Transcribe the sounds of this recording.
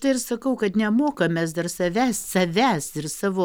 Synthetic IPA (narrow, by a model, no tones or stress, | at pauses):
t̪ɐɪɪɾsɐkɐʊkɐt̪nʲɛmoːkɐmʲɛːs̬d̪ɐrsɐʋʲæːssɐʋʲæːsɪrsɑːʋoː